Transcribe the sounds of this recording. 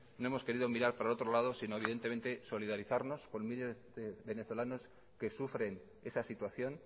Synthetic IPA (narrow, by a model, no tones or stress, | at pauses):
noe̞mo̞ske̞ɾiðomiɾaɾpaɾao̞t̪ɾo̞lað̞o̞sino̞e̞βiðe̞nt̪e̞me̞nt̪e̞so̞liðaɾiθaɾno̞sko̞nmile̞zðeβe̞ne̞θo̞lano̞s | ke̞sufɾe̞n | e̞sasit̪waθjo̞n